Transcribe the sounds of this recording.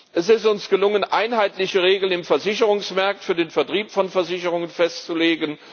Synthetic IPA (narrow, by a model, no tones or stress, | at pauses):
ʔɛsɪstʊnsɡ̥əlʊŋənʔa̰ɪnɦaɪtlɪçəʁeːɡl̩nɪmfɛɐzɪçəʁʊŋsmaɐk̚tfyːɐdeːnfɛɐtʁ̥iːpfɔnfɛɐzɪçəʁʊŋənfɛstt͡suleːɡən